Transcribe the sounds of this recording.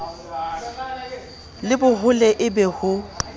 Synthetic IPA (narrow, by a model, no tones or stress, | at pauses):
lɪbʊhʊlɛʔɪbɛhʊ